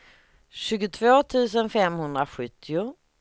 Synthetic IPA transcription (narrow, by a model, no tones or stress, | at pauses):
ɕʉ̟ːɡʊt̪ʰvoːt̪ʰʉ̟ːs̬ənfɛmhɵnd̪ɾaɧɵt̪ʰːɪʊ